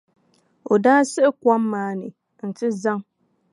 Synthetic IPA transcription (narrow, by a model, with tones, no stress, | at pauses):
o˨daː˦sɨ˦ʔɪ˦kʷa˦mː˦aː˨˦nɨ˨ | n̩˨tɪ˦za˦ŋ